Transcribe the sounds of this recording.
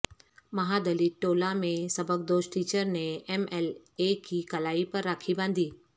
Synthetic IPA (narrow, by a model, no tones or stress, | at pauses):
mɐɦad̪ɐliːʈoːlamẽsɐbʱək̚d̪oːsʈʈiːt͡ɕəɾneemɛlekʰiːkɐlaːipɐɾːaːkʰibãːn̆d̪ʱiː